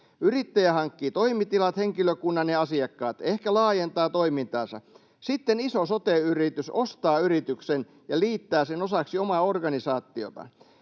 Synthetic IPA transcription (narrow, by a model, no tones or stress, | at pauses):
yrit̪ːæjæhɑŋkːiːt̪oimit̪ilɑt̪heŋkiløkunːɑnneɑsiɑkːɑːt̪ehkælɑːjent̪ɑːt̪oimint̪ɑːsɑ̰ | sit̪ːenisosot̪eyrit̪ysost̪ɑːyrit̪yksen | jɑliːt̪ːæːsenosɑksiomɑorɡɑnisɑːt̪ːio̰t̪ɑ̰